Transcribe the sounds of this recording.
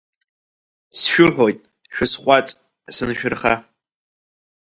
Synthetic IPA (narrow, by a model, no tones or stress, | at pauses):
sʃᶣʊħʷojtʼ | ʃᶣʊsχʷʼat͡sʼ | sɨnʃᶣʊrχa